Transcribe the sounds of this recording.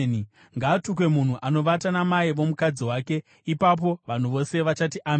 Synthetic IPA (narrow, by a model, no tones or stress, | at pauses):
ni | ŋɡaːtuk̬we̞mun̤uʔano̞ʋatanamaiʋo̞mukad͡ziwaːke̞ | ipap̬o̞ʋan̤uʋo̞se̞ʋat͡ʃatiʔam